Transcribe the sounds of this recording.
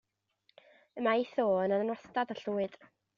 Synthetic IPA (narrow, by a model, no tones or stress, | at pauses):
əmaiθoːənənanɔstadaɬuːɨd̥